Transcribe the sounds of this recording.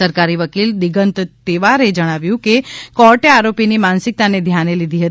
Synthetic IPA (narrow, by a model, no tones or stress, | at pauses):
əɾkaɾiʋəkild̪iɡənt̪t̪eʋaɾed͡ʒəɽ̃aʋjũkekɔɾʈeaɾopinimansɪk̚t̪aned̪ʱjanelid̪ʱiɦət̪